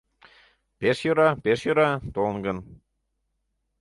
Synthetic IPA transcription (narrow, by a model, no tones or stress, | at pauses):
peʃjøɾɑpeʃjøɾɑt̪olnɡən